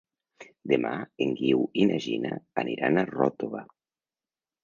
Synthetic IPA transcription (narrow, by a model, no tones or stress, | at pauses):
d̪ema̰eŋɡiwinaʒina̰aniɾanarɔt̪oβa